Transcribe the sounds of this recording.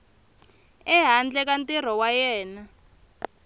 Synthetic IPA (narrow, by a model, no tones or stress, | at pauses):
ɛɦand͡ɮɛk̬antʼir̤ɔwajɛːna